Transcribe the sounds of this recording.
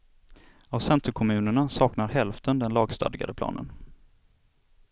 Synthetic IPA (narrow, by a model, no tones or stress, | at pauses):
avsɛnt̪ʰəkʰɔmʉ̟ːnəɳasɑːknaɾɦɛlft̪ʰənd̪ɛnlɑːɡst̪ɑ̰ːd̪ɪɡa̰d̪əpʰlɑ̰ːnə̰n